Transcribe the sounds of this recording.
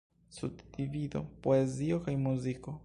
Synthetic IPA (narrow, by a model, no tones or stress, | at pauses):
sud̪d̪ivid̪opoeziokajmuziko